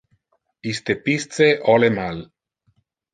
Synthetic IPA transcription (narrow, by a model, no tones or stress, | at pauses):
ist̪epist͡seʔɔlemal